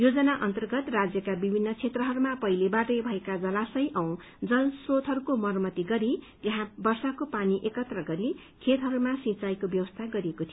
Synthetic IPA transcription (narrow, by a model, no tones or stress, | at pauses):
jod͡zʌnaʔʌnt̪ʌrɡʌt̪rad͡zjʌkabibʱinːʌt͡sʰet̪rʌɦʌɾumapʌilebaʈʌjbʱʌekad͡zʌlasʌjʔʌw̃ | d͡zʌlsrot̪ɦʌɾukomʌrmʌt̪iɡʌɾit̪eɦãbʌrsakopaniʔekʌt̪rʌɡʌɾi | kʰet̪ɦʌɾumasĩt͡sajkobjʌwʌst̪ʰaɡʌɾiekot̪ʰij